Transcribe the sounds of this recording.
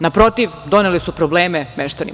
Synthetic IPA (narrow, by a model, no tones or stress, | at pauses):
napɾo̞t̪iʋd̪o̞nelisupɾobleːmemeʃt̪anḭ